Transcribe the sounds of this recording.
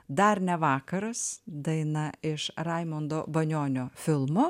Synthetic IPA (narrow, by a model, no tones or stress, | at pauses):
d̪ɐɾnʲɛʋɑːkɐɾɐsd̪ɐɪnɐɪʃɾɐɪmond̪oːbɐnʲoːnʲoːfʲɪlˠmoː